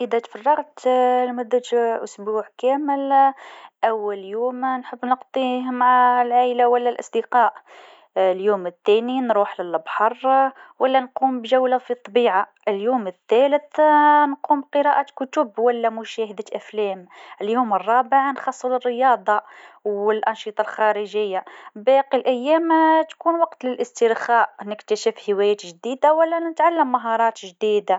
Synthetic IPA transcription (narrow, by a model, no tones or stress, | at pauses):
ʔəd̪æt̪fɑrˤːɑɣt̪lmʊd̪ːət̪ʔʊsbuʕkæməl | ʔæwːəljumnħəbːnəqt̪ˤihmʕalʕalawəlːælʔɑ̰sˤd̪əqɑʔ | ljumət̪ːæninɾuħləlbħɑrˤwəlːænqumbʒæwlafit̪ˤːɑbiʕa | ʔəljumət̪ːæləθnquːmbqəɾɑʔakʊt̪ʊbwælːæmʊʃæhəd̪ət̪ʔæflæməljuːmərˤːɑːbəʕnxɑsˤːələrːəjɑːd̪ˤɑwəlʔɑnʃit̪ˤɑlxɑɾəʒəjːabæqilʔæjːæmt̪kuːnwɑqt̪ləlʔəst̪əɾxæʔnəkt̪əʃəfhəwæjæːt̪ʒd̪id̪awəlːænət̪ʕalːəmːaɦɑɾˤɑːt̪ʒd̪id̪a